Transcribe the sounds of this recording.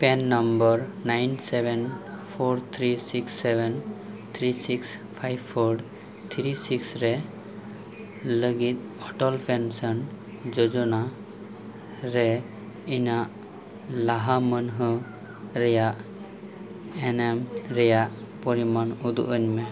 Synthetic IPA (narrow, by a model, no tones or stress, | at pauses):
pɛnːɔmbəɾnajnsɛbʱɛnpʰoɾt̪ʰɾisiksːɛbɛn | t̪ʰɾisikspʰajbpʰɔɖ | t̪ʰɾisiksɾɛ | ləɡit̪̚ɔʈɔlpʰɛnsən | d͡ʒɔd͡ʒɔna | ɾɛ | inaʔ | laɦamənɦɔ | ɾɛjaʔ | enɛmɾɛjaʔ | pɔɾimanud̪ṵʔəɲmɛ